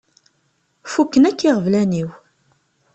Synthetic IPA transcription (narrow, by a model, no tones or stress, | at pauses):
fukːənækːiʁəvlæniw